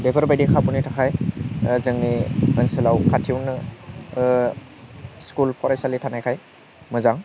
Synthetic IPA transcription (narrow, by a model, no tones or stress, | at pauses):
depʰɯɾbajdikʰabunitʰakʰajzɯŋniənsɯlawkʰatʰiwnɯ | skulpʰɔɾajsalitʰanajkʰaj | mɯzaŋ